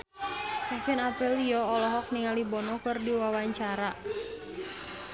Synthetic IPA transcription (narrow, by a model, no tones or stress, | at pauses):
kɛfɪnapɛliɔːlɔɦɔk̚niŋalibɔnɔkɨrdiwawaɲt͡ʃaɾa